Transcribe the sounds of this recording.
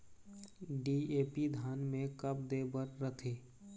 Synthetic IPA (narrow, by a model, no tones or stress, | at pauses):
ɖiːeːpid̪ʱaːnmẽkəp̚d̪eːbəɾːət̪ʰeː